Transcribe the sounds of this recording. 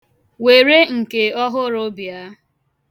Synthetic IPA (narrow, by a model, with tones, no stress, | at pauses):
we˨ɾe˦ŋ̩˨ke˨ɔ˦ɦʊ˦ɾʊ˦bja˦